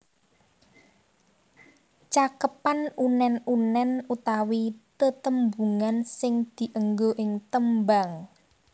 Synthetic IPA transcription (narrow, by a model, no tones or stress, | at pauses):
t͡ʃakəpanunɛnunɛnut̪awit̪ət̪əmbuŋansɪŋd̪̥i̤ʔəŋɡoʔɪŋt̪əmbaŋ